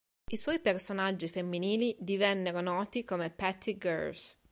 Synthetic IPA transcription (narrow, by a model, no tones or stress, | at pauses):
iswɔjpersonad͡ʒːifemːiniːlid̪ivɛnːeɾonɔːt̪ikomepɛt̪ːiɡɛ̰ɾs